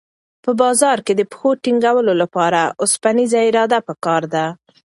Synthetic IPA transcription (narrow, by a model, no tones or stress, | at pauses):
pəbɑzɑɾked̪əpə̥xoʈiŋɡawəlolapɑɾaʔʊspanizaɪɾɑd̪apəkɑɾd̪a